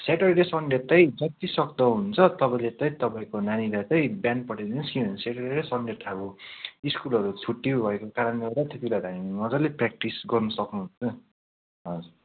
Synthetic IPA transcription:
saʈʌɾeɾesʌɳɖet̪ʌjd͡zʌtt̪isʌkd̪ʌɦunt͡sʰʌt̪ʌpaĩlet̪ʌjt̪ʌpaĩkonanilat͡sʌj̃bjan̚pʌʈed̪inʌskiʌ̃nsaʈeɾeɾesʌɳɖeʈ̪ʰabuiskulʌɾut͡sʰuʈːibʱʌekokaɾʌnʌt̪at̪et̪ilajd̪ʱaninʌd͡zʌleprak̚ʈisɡʌrnʌsʌknuɦunt͡sʌ | ʌd͡zu

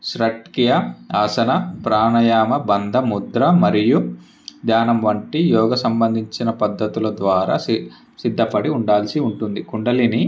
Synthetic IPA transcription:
ʃɾɐʈkijɐaːsɐnɐpɾaːnɐjaːmɐbɐnd̪ʱɐmud̪ɾɐmɐɾiju | d̪jaːnɐmʋɐɳʈijɔːɡɐsɐmbɐnd̪ʱiɲt͡ʃinɐpɐd̪ːɐt̪ulɐd̪ʋaːɾa̰ː | sid̪ʱːɐpɐɽiuɳɖaːlsiuɳʈund̪ikuɳɖɐlini

